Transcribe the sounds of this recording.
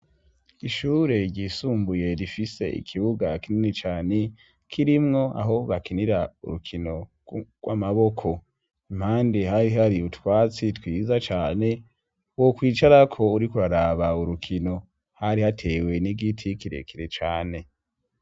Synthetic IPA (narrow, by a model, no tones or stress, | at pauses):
iʃuːɾe̞ɟisuːmbuje̞ɾifise̞̰ʔḭkʰiβuɡakininit͡ʃaːne̞ | kʰiɾimŋo̞ʔa̰ɦo̞βakiniɾaṵɾukʰino̞ | ɡ̥wamaβo̞kʰo̞ | im̥haːndeɦaɾiɦaɾiutwaːt͡sitwiːzat͡ʃaːne̞ | wokwiːt͡ʃaɾakʰo̞uɾikuɾaɾaβauɾukʰino̞ | haɾihatʰe̞ːwe̞niɡitʰikiɾe̞̰kiɾet͡ʃaːne̞